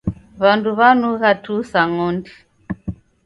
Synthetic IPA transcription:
βanduβanuɣatusaŋɔndi

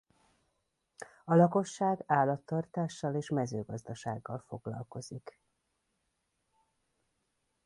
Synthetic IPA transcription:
ɒlɒko̞ʃːaːɡaːlɒt̪ːɒrt̪aːʃːɒleːʃmɛzøːɡɒzd̪ɒʃa̰ːɡːɒlfo̞ɡlɒ̰lko̞zik

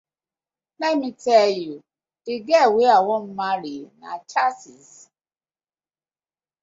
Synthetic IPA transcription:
nɛmitɛlju | d̥iɡɛweawɔm̩maɾina̰t͡ʃasis

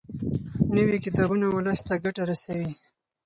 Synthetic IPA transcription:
nəwikɪt̪ɑbunawʊləst̪aɡaʈaɾasawi

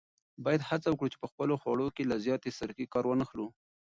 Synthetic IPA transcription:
bɑjad̪hat͡sawəkɽut͡ʃe̥pəxpəloxwɑɽokelazjɑt̪esaɾkikɑɾwənəxlu

